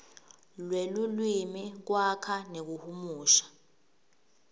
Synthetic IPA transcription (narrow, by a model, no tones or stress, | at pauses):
lwelulwimik̬wakʰanek̬uhumuːʃḁ